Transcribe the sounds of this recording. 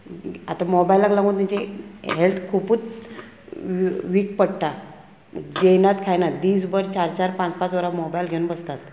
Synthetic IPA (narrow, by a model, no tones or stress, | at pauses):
at̪amɔbailaklãɡũt̪ãt͡ɕeɦelt̪ʰkʰupuːt͡s | ʋiːk̚pəɽʈ̪a | d͡ʑenat̪kʰajnad̪iːsbəɾt͡ɕaɾt͡ɕaɾpãt͡spat͡sʋəɾamɔbajlɡʱeunbəst̪at̪